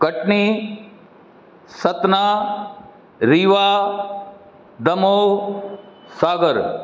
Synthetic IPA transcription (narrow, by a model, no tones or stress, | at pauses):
kɐʈniː | sɐt̪naː | ɾiːʋaː | d̪ɐmoː | saːɡəɾ